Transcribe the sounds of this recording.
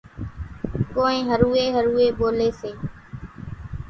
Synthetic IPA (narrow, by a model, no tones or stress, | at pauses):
koːẽːɦəɾuːeːɦəɾuːeːɓoːleːseː